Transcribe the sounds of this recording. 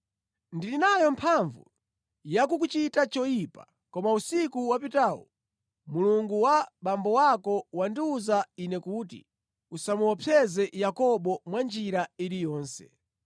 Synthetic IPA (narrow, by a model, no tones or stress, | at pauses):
ndilinajɔmpʰaɱvṵ | jakuk̬ut͡ʃitat͡ʃɔjipa | kɔmausikuwapitaːwɔ̰ | muluŋɡuwaɓambɔwakɔwandiuzainɛkuːtḭ | usamuwɔpʰɛzɛjakɔɓɔmwand͡ʒiɾaiɾijɔːnsɛ̰